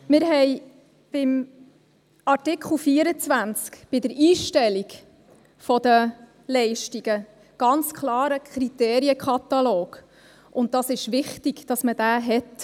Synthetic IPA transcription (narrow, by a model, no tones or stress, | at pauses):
mɪɾɦɛɪ | b̥ɪm | ɑɾtɪkχl̩ˠfiəɾət͡svænt͡skb̥ɪdəɾiːʃtɛliɡ | fɔd̪ə | lɛɪʃtiɡ̥ə | ɡ̥ɑnt͡skʰlɑːɾəkʰχɾiteːɾiəkχɑt̪ɑloːɡ̥ | ʔʊnt̚d̥ɑsɪʃʋɪχtiɡ̥d̥ɑsmədæːɦɛt